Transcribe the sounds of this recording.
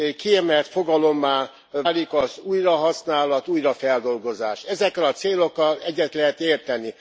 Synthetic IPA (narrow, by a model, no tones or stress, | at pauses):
kiɛmɛlt̪fo̞ɡɒlo̞mːaː | aːlikɒzuːjrɒɦɒsnaːlɒt̪uːjrɒfɛld̪o̞lɡo̞zaːʃɛzɛkrɛɒt̪seːlokːɒlɛɟːɛt̪lɛɦɛt̪eːrt̪ɛnːi